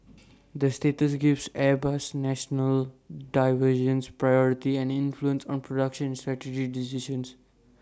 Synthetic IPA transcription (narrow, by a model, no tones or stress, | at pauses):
d̪əsʈeːʈəs̬ɡɪʋsɛbasnæʃnəlɖaɪʋəɾʃə̃nspɾajɔɾɪʈiɛ̃ɳɖɪ̃nfluə̃nsɔ̃ːnpɾoɖʌkʃə̃nsʈɾæʈed͡ʒiɖɪsɪʃə̃ns